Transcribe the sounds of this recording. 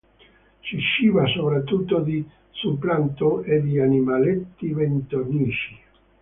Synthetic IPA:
siʃiːvasopɾat̪ːut̪ːod̪i | sumplant̪oed̪ianimalet̪ːivent̪oniːʃi̥

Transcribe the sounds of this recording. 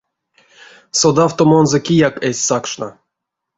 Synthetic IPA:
sod̪awt̪omonzɔkʲijakesʲsakʂna̰

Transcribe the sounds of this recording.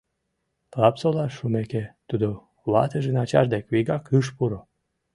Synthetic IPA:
t̪lɑpsolɑʃːumeket̪ud̪o | βɑ̰t̪əʒenɑt͡ɕɑ̰ʒd̪ekβiɣɑkɯʃ̬puɾo

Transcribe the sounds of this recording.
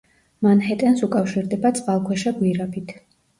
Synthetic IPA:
manɦɛt̪ʼɛnsukʼafʃiɾd̪ɛbat̪sʼqʼalˠkʰwɛʃaɡwiɾabit̪ʰ

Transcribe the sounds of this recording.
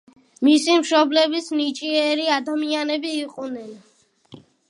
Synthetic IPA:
misimʃɔblɛbisnit͡ʃʼiɛɾiad̪amianɛbiːqʼunɛn

